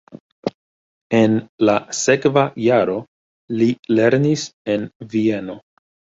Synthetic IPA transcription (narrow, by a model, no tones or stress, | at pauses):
e̞nlase̞kvajaɾo̞ | lile̞ɾnise̞nvie̞no̞